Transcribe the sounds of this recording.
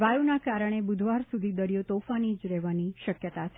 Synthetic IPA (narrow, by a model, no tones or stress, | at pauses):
ʋajunakaɾəɽ̃ebud̪ʱʋaɾsud̪ʱid̪əɾjot̪ofanid͡ʒɾɛʋaniʃəkjət̪at͡ʃʰ